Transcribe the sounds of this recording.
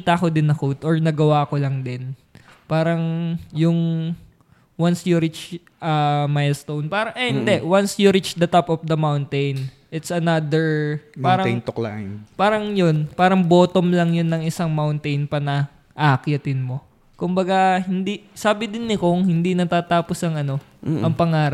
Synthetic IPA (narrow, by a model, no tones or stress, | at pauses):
it̪akod̪ɪnːɐkut̪ʔɔɹnɐɡɐwakolɐŋd̪ɪn | paːɾɐŋjʊŋ | wansjuɾɪt͡ʃ | ʔɐmajlst̪ownpaːɾɐŋʔɛhɪnd̪ɛʔwansjuɾɪt͡ʃd̪ɐt̪apɔfd̪ɐmawnt̪ejn | ʔɪt̪sɐnad̪ɛɹpaːɾɐjnt̪okla̰ʔpaːɾɐŋjonpaːɾɐŋbo̞ːt̪omlɐŋjonːɐŋʔɪsaŋmawnt̪ejnpɐnɐ | ʔɐɐkjɐt̪ɪnmo̞ | kʊmbɐɡahɪnd̪isaːbɪd̪ɪnːɪkoŋhɪnd̪inɐt̪aːt̪aːposɐŋɐno̞ | ʔɐŋpɐŋaːɾ